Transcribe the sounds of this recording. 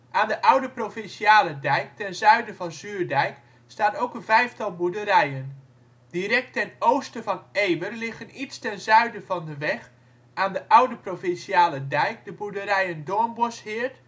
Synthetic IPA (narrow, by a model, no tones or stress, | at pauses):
ʔaːndəʔʌwdəprofɪnsiaːlədɛjk̚tɛnzœɥdəvɑnzyːɹdɛjk | staːnowkənvɛjftɑlˠbudəɾɛjən | dirɛk̚tɛnowstəvɔnejʋərlɪxənitstɛnzœɥdəvɔndəʋɛx | aːndəʔʌwdəprofɪnsiaːlədɛjkdəbudəɾɛjəndoənbɔshɪəɹt